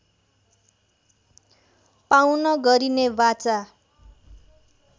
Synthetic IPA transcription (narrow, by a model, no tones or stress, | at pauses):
pawnʌɡʌɾinebat͡sa